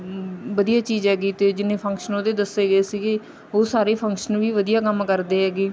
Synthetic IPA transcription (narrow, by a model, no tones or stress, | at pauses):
ʋəd̪ijaːt͡ʃiːzɦɛːɡiːt̪eːd͡ʒɪnẽːpʰəŋkʃənõːd̪eːd̪əseːɡəeːsiːɡeː | oːsaːɾeːpʰəŋkʃənʋiːʋəd̪ijaːkəmkəɾd̪eːɦɛːɡiː